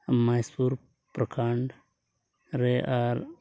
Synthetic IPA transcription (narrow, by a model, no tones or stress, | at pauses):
majspuɾ | pɾəkʰaɳɖ | ɾeʔaɾ